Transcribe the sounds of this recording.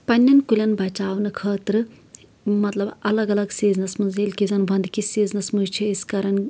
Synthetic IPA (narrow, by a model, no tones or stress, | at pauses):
pɐnʲːɐnkulʲɐnbʱɐt͡ʃaːʋnɨkʰəːt̪ɾɨ | mɐt̪lɐbɐlɐɡɐlɐɡseːd͡znɐsmɐnd͡zeːlʲkid͡zɐnbʱɐnd̪kiseːd͡znɐsmuzt͡ʃʰiiskɐɾɐn